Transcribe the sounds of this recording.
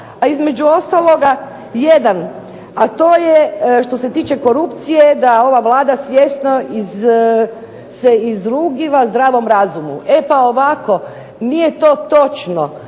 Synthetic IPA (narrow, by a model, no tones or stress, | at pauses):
aizme̞d͡ʒuo̞st̪alˠo̞ɡa | jed̪an | at̪o̞ːjeʃt̪o̞se̞t̪iːt͡ʃe̞ko̞ɾupt̪sije̞d̪ao̞ʋaʋlˠaːd̪asʋje̞st̪noʔiz | seizɾuɡiʋazd̪ɾaːʋo̞mɾazumṵʔe̞paoʋako̞ | nije̞t̪o̞ːt̪o̞t͡ʃno̰